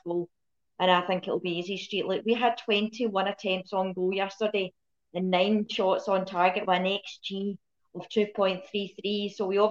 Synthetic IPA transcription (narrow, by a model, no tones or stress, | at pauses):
o | ə̃naɪθɪ̃ŋkɪʔl̩ˠbiizistɹ̥iʔlˠiʔwiəd̚tʰw̥ɛ̃ntʰiwʌ̃nətʰɛ̃mp̚tsn̩ɡojɛstə˞de | ə̃nːãɪ̃nʃɔtsn̩tʰaɹɡɪʔwəə̃nɛksd͡ʒi | əv̥tʰʉːpʰɔ̃ɪ̃nθɹiθɹisowiɔ